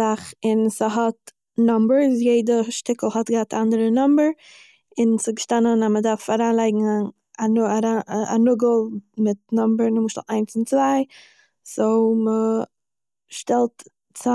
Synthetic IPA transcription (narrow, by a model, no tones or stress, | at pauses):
aχɪnsəɦɔt | nɔmbəɹsjeɪdəʃtɪkəl̩ˠhɔtɡəhatandəɾənɔmbəɾ | ɪnsəɡəʃtanənamədaɾfaɾaːnlˠaɪɡŋ̩ | aaɾaa̰nʊɡl̩ˠmɪt̚nɔmbəɾnɪmʃtlˠaɪnsɪnt͡svaɪ | soʊmə | ʃtɛlˠt | t͡sa